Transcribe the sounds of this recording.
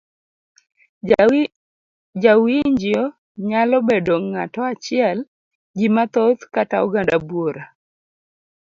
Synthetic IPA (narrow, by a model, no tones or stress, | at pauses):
d͡ʒawiɲd͡ʒɪɔ | ɲalɔbedoŋːatɔat͡ʃɪɛl | ɡimat̪ot̪katauɡandabwoɾa